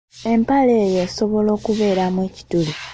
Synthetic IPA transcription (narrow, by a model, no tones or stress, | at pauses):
e̞mpale̞ːjeːso̞βo̞lo̞ːkuβe̞ːɾamweːci̥tuli